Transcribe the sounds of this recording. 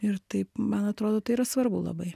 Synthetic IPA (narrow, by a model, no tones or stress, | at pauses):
ɪɾt̪ɐɪpmɐnɐt̪ɾoːd̪oːt̪ɐɪiːɾɐsʋɐɾbʊlˠɐ̰bɐɪ